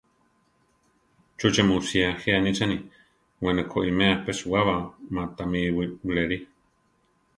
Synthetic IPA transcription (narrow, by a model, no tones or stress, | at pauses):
t͡ʃut͡ʃemũsiaheʔanĩt͡sanĩ | wenẽkʰoʔimẽapesuaβamãt̪amiwiwleɾi